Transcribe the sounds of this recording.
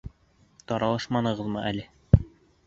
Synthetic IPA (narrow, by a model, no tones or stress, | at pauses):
t̪ɒɾɑlˠɑʃmɑnɤ̆ʁɤðmɤʔælɘ